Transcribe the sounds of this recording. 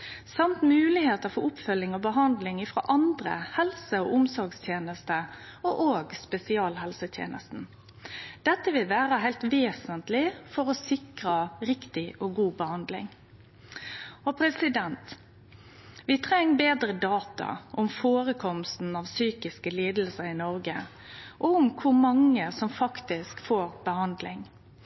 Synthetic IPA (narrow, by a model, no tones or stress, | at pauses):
sɑmt̪mʉːlɪheːt̪əʁfɔɾʊpfœlːɪŋɔbəɦɑnd̪lɪŋɪfɾo̰ːʔɑnd̪ɾə̰hɛlsəɔʔʊmsɔɾɡst̪ʰjeːnəst̪əɔʔoːɡspɛsɪɑːlhɛlsət̪ʰjḛːnʔə̰st̪n̩ | d̪̥ɛt̪ːəʋɪlʋæːʁəɦæɪlt̪ʋeːsənt̪lɪfɔɾɔsɪkʁəɾɪkt̪ɪʔɔɡuːbəhɑnd̪lɪ̰ŋ | ɔpʰɾɛsɪd̪ɛnt̪ | ʋɪt̪ʰʁɛŋːbeːd̪ɾəd̪ɑːt̪ɑ̰ʔʊmfoːɾəkʰɔmst̪n̩ɑʋsyːkɪskəliːd̪l̩səɾɪnɔɾɡə | ʔɔʊmkʰʊɾmɑŋːəsɔmfɑkt̪ɪskfoːɾb̥əhɑnd̪lɪŋ